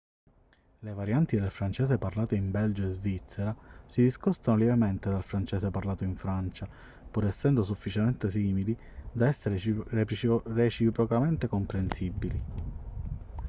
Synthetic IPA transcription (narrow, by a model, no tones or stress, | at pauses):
levaɾjant̪id̪elfɾant͡ʃɛːseparlaːt̪eimbɛld͡ʒoezvit̪sːeɾasid̪iskɔst̪anoljɛvement̪ed̪alfɾant͡ʃɛːseparlaːt̪oiɱfɾant͡ʃa | puɾɛsːɛnd̪os̬ufːit͡ʃement̪esiːmili | d̪aɛsːeɾerepɾret͡ʃipɾokament̪ekompɾensibːili